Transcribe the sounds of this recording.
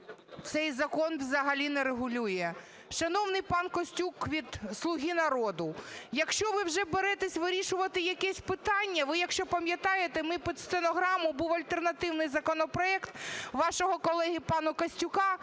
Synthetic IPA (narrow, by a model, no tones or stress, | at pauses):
t̪sɛjzɐkɔnʋzɐɦɐlʲinɛɾeɦʊlʲujɛ | ʃɐnɔwnɪjpɑnkɔsʲtʲukʋʲid̪slˠʊɦʲinɐɾɔd̪ʊjɐkʃt͡ʃɔʋɪwʒɛbeɾɛt̪esʲʋɪɾʲiʃʊʋɐt̪ɪjɐkɛsʲpɪt̪ɑnʲːɐʋɪjɐkʃt͡ʃɔpɐmʲjɐt̪ɑjet̪emɪpʲist̪enɔɦɾɑmʊbuwɐlʲt̪ernɐt̪ɪwnɪjzɐkɔnɔpɾɔɛkt̪ʋɑʃɔɦɔkɔlˠɛɦʲipɑnʊkɐsʲtʲʊkɑ